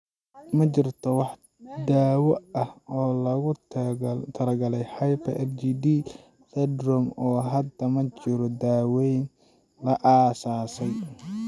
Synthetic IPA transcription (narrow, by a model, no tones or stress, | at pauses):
mɐt͡ʃɪrt̪ʰɔwɑħ | d̪aːwɔɐhɔːlɐɣʊ | t̪ʰɐlɐɡɐlɛjħɑjpʰɐʔɛld͡ʒiːd̪iː | t̪ɛd̪rɔmɔːɦɐd̪ɐmɐt͡ʃɪɾɔd̪aːwɛjn | lɐʔaːsaːsɛj